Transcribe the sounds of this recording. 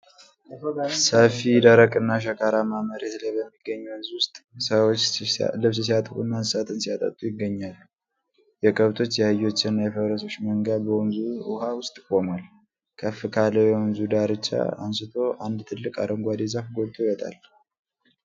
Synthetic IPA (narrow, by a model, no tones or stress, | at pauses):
səfid̪əɾəkʼɨnːaʃ̬əkʰʼaɾamaməɾet̪ləbəmːiɡːəɲːuwnzwʊst̪ʼsəwot͡ʃːlɨβsɨs̬iat̪ʼkṵnːanɨsat̪ʰɨnsijat̪ʼə̰t̪ʼujɪɡːəɲːalːu | jɛkʼəβt̪ʰo̞t͡ʃːjɛhɨjo̞t͡ʃːɪnːajɛfəβɾəs̬o̞t͡ʃːməŋɡadbəwunzuʊhawʊst̪ʼkʼomal | kʰəfːɨkʰaləjɛunzud̪aɾɨt͡ʃːa̰a̰nsɨt̪ʰo̞ʔand̪t̪ʰɨlːɨkʼa̰d̪əŋɡʷad̪ezafɡo̞t̪ʰʼoiwɔt̪ʼa̰l